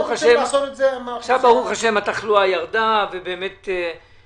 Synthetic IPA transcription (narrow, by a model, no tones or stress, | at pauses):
χaʃeezeʃavbaʁuχaʃe̞mat̪aχluajaʁd̪avebeːmet̪e